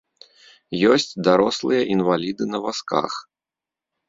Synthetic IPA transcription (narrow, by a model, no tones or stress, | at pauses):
jɔsʲt͡sʲd̪aɾɔslˠɨjɐʔinvalʲid̪ɨnɐvaska̰x